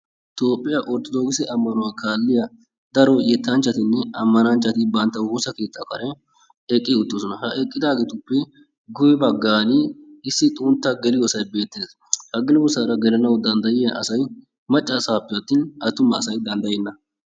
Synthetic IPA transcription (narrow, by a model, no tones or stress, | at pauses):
t̪o̞ːpʼːɪjɐʔɔɾt̪ɔd̪oːɡɪsɛʔɐmːɐnɔwakaːlːɪjɐ | d̪ɐɾɔjɛt̪ːɐnt͡ʃːɐt̪ɪnːɛɐmːɐnɐnt͡ʃːɐt̪ɪbɐnt̪ːɐwoːsɐke̞ːt̪ːɐkɐɾɛ | ɛkʼːɪʊt̪ːosɔnɐhɐʔɛkʼːɪd̪aːɡeːt̪ʊpːɛ | ɡʊjɛbɐɡːaːnɪɪsːɪt̪ʼʊnt̪ːɐɡɛlɪjɔsɐjbe̞ːt̪ːeːs | hɐɡɛlɪwɔsɐɾɐɡɛlɐnɐwd̪ɐnd̪ɐjɪʔɐ̰sɐj | mɐt͡ʃʼːɐsʼaːpːɪjɐt̪ːiːnɐt̪ːʊmːɐːsɐjd̪ɐnd̪ɐjɛnːɐ